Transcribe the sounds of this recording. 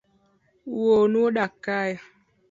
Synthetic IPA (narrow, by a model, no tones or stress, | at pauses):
wonuɗakaja